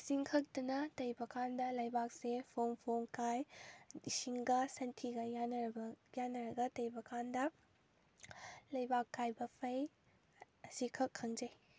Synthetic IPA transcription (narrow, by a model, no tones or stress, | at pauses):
siŋkʰɐk̚tɐnɐtɐjbɐkʰandɐlɐjbak̚sepʰompʰomkajdisiŋɡɐsɐntʰiɡɐjanbjanːɐɾɐɡɐtɐjbɐkʰandɐ | lɐjbakːajbɐpʰɐj | ɐsikʰɐkʰːɐŋd͡ʒɐj